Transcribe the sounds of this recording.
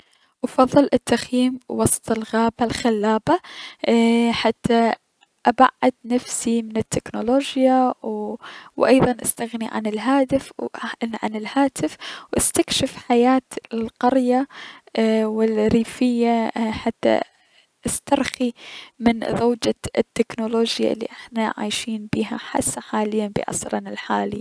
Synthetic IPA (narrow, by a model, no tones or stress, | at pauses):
ʔɑfɑðˤːɨlʔɪt̪ːaxjiːmwɑsˤt̪ˤɪlɣaːbalxalːaːba | ħat̪ːa | ʔaba̰ʕːad̪nafsimɪnɪt̪ːɪknoloːd͡ʒjawwʔɑ̰jðˤɑnʔast̪aɣniʕa̰nɪlɦaːt̪ɪfʕa̰nɪlhaːt̪ɪfwʔast̪akʃɪfħajaːt̪lqɑɾja | wɪlɾiːfɪjːaħat̪ːa̰ | ʔast̪ɑɾˤximɪnðaːd͡ʒaɪt̪ːɪknoloːd͡ʒja̰ʔɪlːḭʔɪħnaʕa̰ːjʃiːnbiːɦa̰ħa̰sːaħaːlɪjːanbɪ̰ʔɑ̰sɾˤɑnɪlħaːli